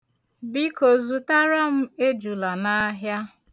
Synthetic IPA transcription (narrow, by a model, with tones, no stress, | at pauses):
bi˦ko˨zu˨ta˦ɾa˦m̩˦e˦d͡ʒu˨la˨na˦ɦja˦